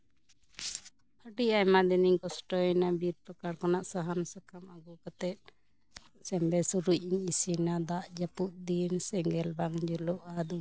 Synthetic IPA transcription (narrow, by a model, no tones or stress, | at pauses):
əɖiajmad̪ɛniɲkɔsʈɔɛnabiɾpɾəkaɽkanaʔsaɦansakamaɡukat̪ɛt̪̚ | sɛmbɛsuɾuc̚ˀiɲisinad̪aʔd͡ʒapuʔd̪insɛŋɡɛlbaŋd͡ʒulɔʔad̪u